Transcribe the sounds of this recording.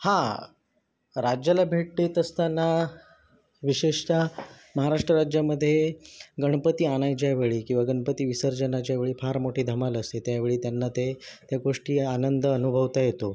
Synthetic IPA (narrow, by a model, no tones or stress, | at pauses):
hã | ɾad͡ʑjalabʱeʈ̚t̪et̪əst̪anːa | ʋiɕeʂt͡ɕa | məɦaɾaʂʈɾəɾad͡ʑjaməd̪ʱːjeɡəɳ̃pət̪iːaɽ̃ajt͡ɕjaʋeɭiːkĩw̃ʋaɡəɳpət̪iːʋisəɾd͡ʑənat͡ɕjaʋeɭiːpʰaɾmoʈʰiːd̪ʱəmaləst̪et̪jaʋeɭiːt̪janːat̪et̪jaɡoʂʈiːanənd̪ənubʱəʋt̪ajet̪o